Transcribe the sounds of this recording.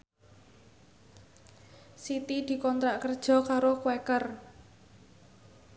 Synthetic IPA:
sit̪id̪̥i̤kɔnt̪ɾaʔkərd̥ʒ̥ɔ̤kaɾokwɛkər

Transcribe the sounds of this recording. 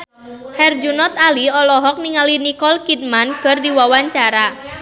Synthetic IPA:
hɛrd͡ʒunɔt̪aliɔlɔɦɔk̚niŋalinikɔlkit̪̚mankə̤rdiwawaɲt͡ʃaɾa

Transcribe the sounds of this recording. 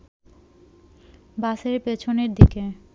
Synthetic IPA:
baʃeɾpet͡ɕʰoneɾd̪ike

